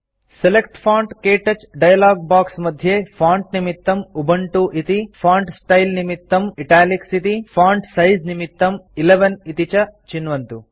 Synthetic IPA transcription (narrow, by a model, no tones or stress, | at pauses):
selek̚ʈpʰaːɳʈkeːʈɐt͡ʃɖɐjɐlaːɡ̚baːksmɐd̪ʱjeːpʰaːɳʈ̚nimit̪ːɐmubʱɐɳʈuʔit̪ipʰaːɳɖsʈɐjlnimit̪ːɐmiʈaːliksit̪ipʰaːɳɖsɐjznimit̪ːɐmileʋɐnit̪it͡ʃɐt͡ʃinʋɐnt̪u